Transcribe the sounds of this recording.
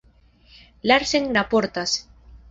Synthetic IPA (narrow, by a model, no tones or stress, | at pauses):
laɾseŋnapoɾt̪as